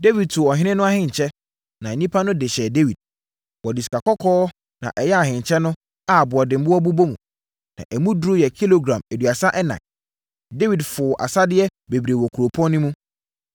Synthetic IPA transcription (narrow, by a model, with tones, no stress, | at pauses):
de˦wi˨d̚tʰʊ˨ɔ˨ɦɪ̃˦nɪ̃˦nʊ̃˦a˦hɪ̃˨ɲ˨t͡ɕʰɛ˦ | nã˨nĩ˦pʰa˦nʊ̃˦dɪ˨ɕɛ˨de˦wi˨d̚ | wɔ˨dɪ˨si̥˨ka˨kʰɔ˦kʰɔː˦ | nã̰˨ʔɛ˨jɛ˦a˨ɦɪ̃˨ɲ˨t͡ɕʰɛ˦nʊ̃˦ | a˨bʊ˨ɔ˨dɪ̃˨m̩˨bʊ˦ɔ˦bu˦bo˦mũ˨ | nã̰˨ʔæ˨mũ˦dʊ˦ɾʊ˦jɛ˨kʰi˦lo˨ɡɾã˨mæ˨du˨a˨sa˦ʔɛ˦nã̰˨ | de˦wi˨dfʊ˨ʔa̰˨sa˦dɪ˦ɛ˦be˨bɾe˨wɔ˨kʰu˨ɾo˨pʰɔ̃˦nː˦ʊ̃˦mũ˦